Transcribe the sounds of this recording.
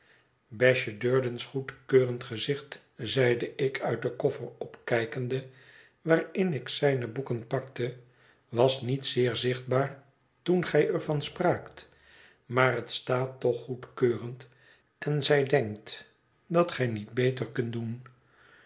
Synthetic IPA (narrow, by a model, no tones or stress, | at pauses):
bɛʃədøːɹdənsχutkøːrəntχəzɪχt | zɛjdəʔɪkʰœɥt̚dəkɔfərɔpkɛjkəndə | ʋaːɹɪnɪksɛjnəbukənpɑktə | ʋɑsnitsɪːɹzɪχd̚baːɹ | tunχɛjɛɹvɑnspraːkt | maːrɦətstaːtɔχːutkøːrənt | ɛnzɛjdɛŋkt | dɑtχɛjnid̚bejtəɹkɵntdun